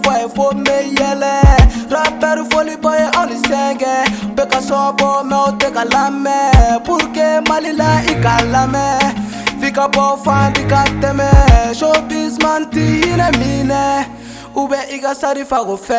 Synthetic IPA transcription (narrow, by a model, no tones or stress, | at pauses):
fɛfomejɛlɛɾapɛɾufolibɔjeʔɔnisɛ̃ɡɛbɛkasɔabɔmɛotekalamɛpuɾkemalilaikalamɛ | fikabɔfadikatɛmɛʃobis̬mantihinɛminɛ | ubɛʔikasaɾifaɡofɛ